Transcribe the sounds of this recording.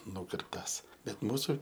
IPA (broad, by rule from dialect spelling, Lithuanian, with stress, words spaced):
ˈnuːkʲɪrptɐs bʲɛt ˈmuːsʊ